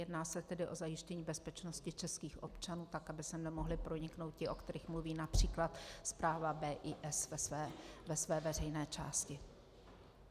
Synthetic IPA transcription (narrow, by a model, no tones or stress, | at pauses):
jɛdnaːsɛt̪ɛdɪʔo̞zajɪʃcɛɲiːbɛspɛt͡ʃno̞scɪt͡ʃɛskiːxʔopt͡ʃanuːt̪akabɪsɛmnɛmoɦlɪpɾo̞ɲɪkno̞wt̪̚cɪʔo̞kt̪ɛɾiːxmluviːnapr̝̥iːklat̪spɾaːvabɛːʔiːʔɛsvɛsɛːvɛsvɛːvɛr̝ɛjnɛːt͡ʃa̰ːscɪ